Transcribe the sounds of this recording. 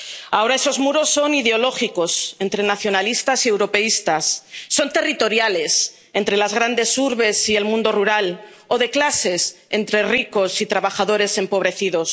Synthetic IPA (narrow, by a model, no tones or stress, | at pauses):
ao̞ɾae̞so̞zmuɾo̞sːo̞niðeo̞lo̞xiko̞se̞nt̪ɾe̞naθjo̞nalist̪asie̞wɾo̞pe̞ist̪asːo̞nt̪e̞rit̪o̞ɾjale̞s | e̞nt̪ɾe̞lazɣ̞ɾand̪e̞suɾβe̞sie̞lmũnd̪o̞ruɾal | o̞ðe̞klase̞sent̪ɾe̞riko̞sit̪ɾaβ̞axaðo̞ɾe̞se̞mpo̞βɾe̞θiðo̞s